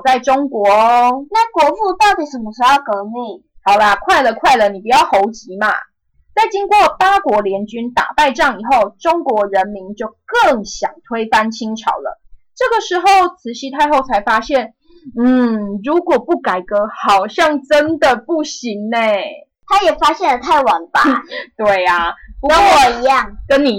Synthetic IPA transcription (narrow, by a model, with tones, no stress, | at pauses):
t͡sa˥˩ɪʈ͡ʂo˥ŋkwɔ˧˥˦na˥˩kwɔ˧˥fu˥˧t̪ɑ˥˩ʊt̪i˨˩ʂə˨˩mə˧ʂ̩˧˥jɑ˥˩ʊkɤ˧˥ni˥˨˩hɑ˨˩ʊla˦kʰwa˥˩ɪlə˨˩kʰwa˥˩ɪlə˩ni˨˩pu˨˩t͡ɕjɑ˥˩xo˧˥ʊt͡ɕi˨˥˦ma̰˧ | t͡sa˥˩ɪt͡ɕi˥ŋkwɔ˥˨˩pa˥kwɔ˧˥ljɛ˧˥nt͡ɕy˥nt̪a̰˨˩pa˥˧ɪʈ͡ʂɑ˥˩ŋi˨˩xo˥˩ʊʈ͡ʂo˥ŋkwɔ˧˥ɻə˧˦nmi˧˥nt͡ɕjo˥˧ʊkə˥˩ŋɕjɑ̰˨˩ŋt̪ʰwe˥ɪfa˥nt͡ɕʰi˥ŋʈ͡ʂʰɑ̰˨˧˥ʊlə̰˨˦ʈ͡ʂɤ˥˩ɡə˩ʂɻ̩˧˥xo˥˩ʊt͡sʰɹ̩˧˩ɕi˧˥t̪ʰa˥˧ɪxo˥˩ʊt͡sʰa˧˥ɪfa˥ɕjɛ˥˩n | n̩˥˩ɻu˨˧˥kwɔ˨˩pu˥˩ka˨˩ɪkɤ˧˥xɑ˨˩ʊɕjɑ˥˩ŋʈ͡ʂə˦nd̪ə˨pu˥˩ɕi˧˥ŋne˥˩ | t̪ʰa˦˥jɛ˨˩fa˥ɕjɛ˥˩nlə˨˩t̪ʰa˥˩ɪwɑ˧˥ŋba˨t̪we˥˩ɪa˩pu˧˥wɔ˨˩i˧˥jɑ˥˩ŋkə˦nni˨˩